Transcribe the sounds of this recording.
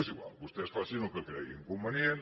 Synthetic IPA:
siɣwa̰lbust̪ɛsfasinũŋkekɾḛjiŋkumbenjen

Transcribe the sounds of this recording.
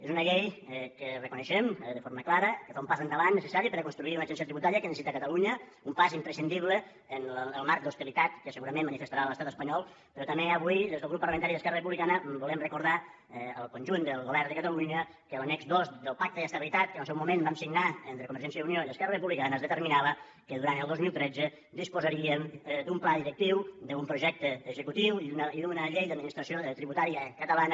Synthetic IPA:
ezunəʎejkərəkunəʃemðəfoɾməklaɾəkəfaumpazənd̪əβanːəsəsaɾipəɾəkunst̪ɾuiunəʒɛns̬iət̪ɾiβut̪aɾiəkənəsit̪əkət̪əluɲə | umpazimpɾəsind̪iβlə | ənləəlˠmaɾk̚d̪ust̪ilit̪at̪kəsəɣuɾəmẽmːənifəst̪aɾaləst̪at̪əspəɲɔlˠ | pəɾɔt̪əmeəβujðezðəlɣɾupːərləment̪aɾiðəskɛrərəp̬uβlikanəbulɛmrəkuɾða | ɛəlˠkunʲʒund̪əlˠɣoβɛrnd̪əkət̪əluɲə | kələnɛɡzdozd̪əlˠpak̚t̪əðəst̪əβilit̪at̪̚kənəlˠsɛwmumenbamsiŋnaent̪ɾəkumbəɾʒɛnsjəðunioiðəskɛɾrərəpuβlikanəzðət̪əɾminaβə | kəðuɾant̪əlˠdozmilˠt̪ɾɛd͡zə | d̪ispuzəɾiəmd̪umplaðiɾək̚t̪iwd̪əumpɾuʒɛk̚t̪əːzəkut̪iwiniðunəʎejðəd̪minist̪ɾəsiot̪ɾiβut̪aɾiəkət̪əlanə

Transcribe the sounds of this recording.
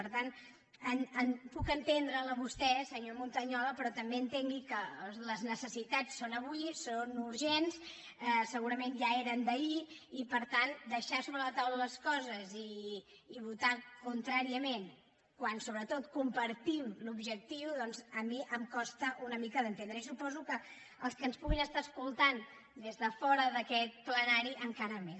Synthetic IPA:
əɾt̪an | ənəmpukənt̪end̪ɾələβust̪ɛsəɲomunt̪əɲɔləpɾɔt̪əmbeənt̪eŋɡikələznəsəsit̪at͡sːonəβuisonuɾʒens | ɛsəɣuɾəmenʒaeɾənd̪əiipəɾt̪and̪əʃasoβɾələt̪awlələskɔzəziː | β̞ut̪akunt̪ɾaɾiəmen | kwansoβɾət̪ot̪kumpəɾt̪imlubʒək̚t̪iuðɔnzəmiʔəmkɔst̪əʔunəmikəðənt̪end̪ɾəisupɔzukə | əlˠskənspuɣinəst̪aəskulˠt̪an | d̪ezðəfɔɾəðəkɛt̪̚plənaɾiʔəŋkaɾəmes

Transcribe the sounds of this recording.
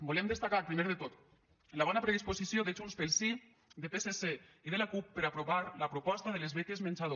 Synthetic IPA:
bolemd̪est̪akaɾpɾimeɾðet̪ot̪ | nlaβ̞ɔnapɾeð̞isposisjoðed͡ʒunspelˠsi | d̪epeseseiðelakupːeɾapɾoβaɾlapɾopɔst̪aðelezβek̪ezmenʲt͡ʃaðo

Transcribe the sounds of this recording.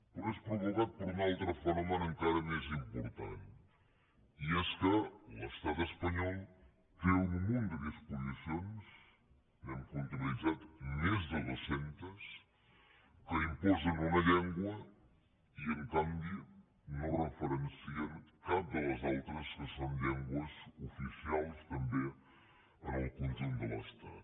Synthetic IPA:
pəɾɔespɾuβuɣat̪̚pəɾunalˠt̪ɾəfənɔmənəŋkaɾəmezimpuɾt̪a̰n | iɛskələst̪at̪əspəɲɔlˠ | keunmund̪əðispuzisions | kɛmkunt̪ɾulid͡zat̪mezðəðusent̪əs | kəimpɔzənunəʎɛŋɡwə | iəŋkambi | norəfəɾənsiənkap̚d̪ələzalˠt̪ɾəskəsonʎɛŋɡwəzufisialˠst̪əmbe | ənəlˠkunʒend̪ələ̰st̪a̰t̪

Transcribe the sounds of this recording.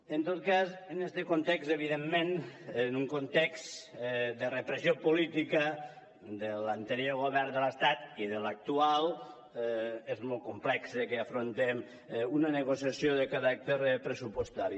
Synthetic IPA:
ənt̪ot̪kazənest̪əkont̪ɛkseβ̞iðemːenenuŋkont̪ɛksd̪ərəpɾəsiopulit̪ikə | d̪əlant̪əɾjoɾɣoβɛɾnd̪ələst̪at̪iðələk̚t̪ualˠ | ezmolˠkumplɛksəkeafɾont̪em | unənəɣ̞osiasjoðəkaɾak̚t̪eɾpɾəsupwost̪aɾi

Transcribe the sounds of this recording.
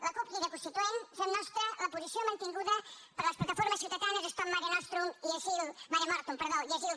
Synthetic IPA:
ləkupliðəkunst̪it̪uensənnɔst̪ɾələpuzisiomənt̪iŋɡuðəpəɾləsplɐt̪ɐfoɾməsːiwt̪ət̪anəzəst̪ɔmmːaɾiənɔst̪ɾumiəzilˠmaɾjamɔɾt̪umpəɾðoiəzilˠ

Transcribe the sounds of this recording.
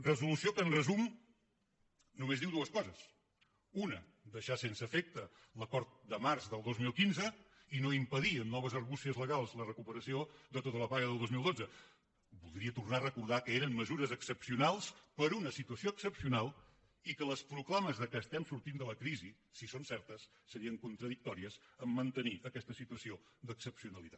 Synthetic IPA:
rəzulusiokənrəzum | numezðiwd̪uəskɔzəs | unə | d̪əʃasensəfek̚t̪ə | ləkɔɾt̪̚d̪əmaɾzðəlˠd̪ozmilˠkinzə | inoimpəðiənːɔβəzəɾɣusiəzləɣalˠzlərəkupəɾəsioðət̪ot̪ələpaɣəðəlˠd̪ozmilˠd̪od͡zə | bulˠd̪ɾiət̪urnarəkuɾð̞akəeɾəmməzuɾəzəksəpsiunalˠspəɾunəsit̪uəsioəksəpsiunalˠ | ikələspɾuklaməzðəkəːst̪ɛmsuɾt̪ind̪ələkɾizi | sisonsɛɾt̪əsːəɾiəŋkunt̪ɾəðik̚t̪ɔɾiəzəmːənt̪əniʔəkɛst̪əsit̪uəsiod̪əksəpsiunəlˠit̪at̪

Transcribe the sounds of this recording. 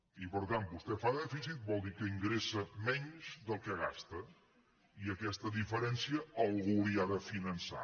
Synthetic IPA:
ipəɾt̪an̚bust̪ɛfaðɛfisit̪̚bɔlˠd̪ikəiŋɡɾesəmɛɲzðəlˠkəɣa̰st̪ə | iəkɛst̪əðifəɾɛnsiəəlˠɣuliaðəfinənsa̰

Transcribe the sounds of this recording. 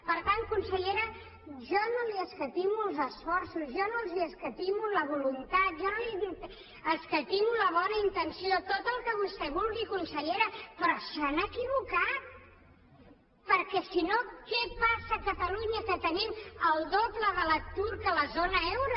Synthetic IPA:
pəɾt̪an̚kunsəʎeɾə | ʒɔnoliəskət̪imulˠzəsfɔɾsuzʒɔnolˠziəskət̪imuləβ̞ulunt̪at̪̚ʒɔnoli | əskət̪imuləβɔnəint̪ənsiot̪ot̪əlˠkəβust̪ɛβulɣikunsəʎeɾəpɾɔsanəkiβukat̪̚ | pəɾkɛsinokɛpasəkət̪əluɲəkət̪əniməlˠd̪opləðələt̪uɾkələzonəɛwɾu

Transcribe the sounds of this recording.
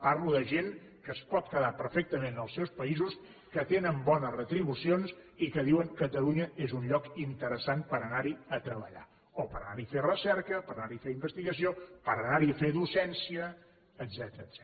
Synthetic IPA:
parluðəʒeŋ | kəːspɔt̪̚kəðapəɾfɛk̚t̪əmẽnəlˠsɛwspəizus | kət̪enəmbɔnəzrət̪ɾiβ̞usionsikəðiwəŋkət̪əluɲəʔezunʎɔkint̪əɾəsanpəɾənaɾiət̪ɾəβəʎa̰ | opəɾəna̰ɾiferəsɛɾkəpəɾənaɾifeimbəst̪iɣəsiopəɾənaɾiəfeðusɛnsiəː | d̪zɛt̪əɾəːz̥ɛ

